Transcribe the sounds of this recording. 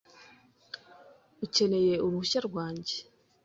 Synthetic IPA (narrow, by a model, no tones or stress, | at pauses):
uce̞ne̞je̞uɾuhuʃaɾɡwaːɲɟe̥